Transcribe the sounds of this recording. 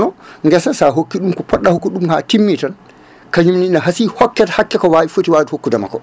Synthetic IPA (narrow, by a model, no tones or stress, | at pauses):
nɔŋɡɛsansaɦokːiɗumkɔpɔɗːahokːiɗumhatimːitan | kaɲumniinaɦasihɔkːɛtḁhakːɛkɔwaifotiwaːhokːudama̰kɔ